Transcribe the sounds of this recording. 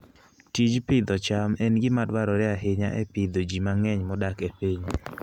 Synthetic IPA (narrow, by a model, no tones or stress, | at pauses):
tid͡ʒpɪd̪ɔt͡ʃamɛnɡɪmadwaɾɔɾɪaɦɪɲa̰ʔɛ̰pɪd̪od͡ʒimaŋɛɲmɔdakɛpeɲ